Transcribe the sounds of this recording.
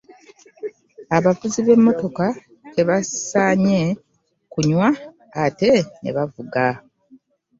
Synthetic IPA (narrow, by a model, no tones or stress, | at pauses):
aβavuziβe̞mːo̞to̞ka | te̞βasaɲe̞ | kuɲwaː | te̞ne̞̰βavuɡa